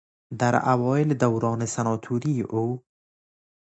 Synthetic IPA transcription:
d̪aɾa̰wɔːɪld̪awɾɑːnesanɒt̪ʰuɾiʔo

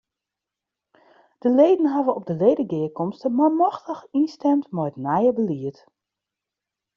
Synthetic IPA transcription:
d̥əleːdən̩ɦavəɔp̚dəlejdəɡɪəkɔmstəmamɔxtəxinstɛmtmɔjtnɛjəbəliət

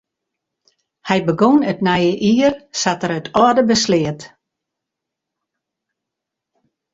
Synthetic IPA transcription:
hɛjbəɡonətnɛjəʔiərsatəɾətʰɔːdəbəslɪət

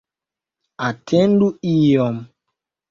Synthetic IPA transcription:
atʰɛnduijɔm

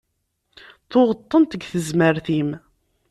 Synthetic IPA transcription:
θʊʁət̪ˤːənt̪əɡθəzməɾθim

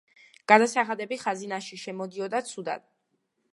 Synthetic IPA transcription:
ɡ̥ad̪asaχad̪ɛbiχazinaʃiʃɛmɔd̪iɔd̪at̪sʰud̪a̰d̪̥̚

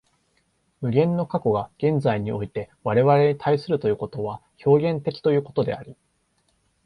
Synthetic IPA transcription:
mɯ̟ɡʲẽ̞nːo̞kako̞ɡaɡ̥ẽ̞nd͡zaiɲ̟io̞it̪e̞ | βaɾe̞βaɾe̞ɲ̟it̪ʰaisɨɾɯ̟t̪o̞jɯ̟ːko̞t̪o̞βaço̞ːɡẽ̞nt̪e̞kʲi̥t̪o̞jɯ̟ːko̞t̪o̞d̪e̞̰aɾʲi

